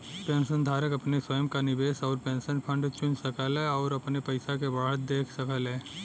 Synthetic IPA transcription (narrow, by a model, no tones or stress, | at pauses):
pẽːnsənd̪ʱaːɾəkɐpneswəjəmkanɪbeːsɔːɾpẽːnsənpʰə̃ɳɖt͡ʃʊ̃nsəkəlɦɛɔːɾɐpnepɐɪsakebaːɦət̪̚d̪eːkʰsəkəlɦɛ̃ː